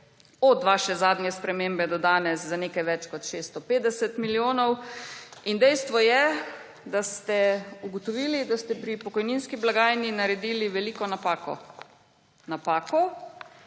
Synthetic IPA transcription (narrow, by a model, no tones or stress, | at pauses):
ɔd̪ʋaːʃɛzaːd̪njɛspɾɛmembɛd̪ɔd̪aːnɛszanekajʋɛt͡ʃkɔt̪ʃest̪ɔpeːd̪ɛsɛt̪miljoːnɔw | ind̪ɛjst̪ʋɔjɛ | d̪ast̪ɛuɡɔt̪ɔʋiːlid̪ast̪ɛpɾipɔkɔjninskiblaɡaːjninaɾɛd̪iːliʋɛlikɔnapako | napaːkɔ